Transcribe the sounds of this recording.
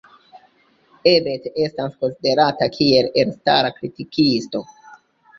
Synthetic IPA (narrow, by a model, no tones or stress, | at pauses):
e̞be̞te̞stasko̞nside̞ɾatakʰie̞lelstaɾakɾitikʰisto̞